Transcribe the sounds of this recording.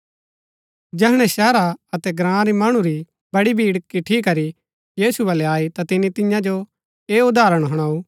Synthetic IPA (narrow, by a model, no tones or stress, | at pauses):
d͡ʒɛːɦɽ̃ɛ̃sɛːɾaɐt̪ɛɡɾãːãɾimɐɽ̃ũɾi | bɐɽibʱiːɽkːiʈʰikːɐɾi | jiːsubɐlɛaːit̪at̪ɪnːit̪ɪjãd͡ʒo | eːʊd̪aːɾəɽ̃ɦɐɽ̃aːu